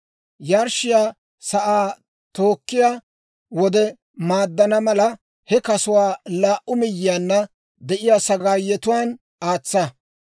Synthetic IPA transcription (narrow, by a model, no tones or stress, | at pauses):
jaːɾʃɪjaː | sɐʔaː | t̪oːkːɪjaː | wɔd̪ɛ | maːd̪ːɐnɐmɐlɐ | hɛkɐsʊwaːlaːʔʊmɪjːɪjaːnːɐ | d̪ɛʔɪjaːsɐaːjːɛt̪ʊwaːn | aːt͡sːɐ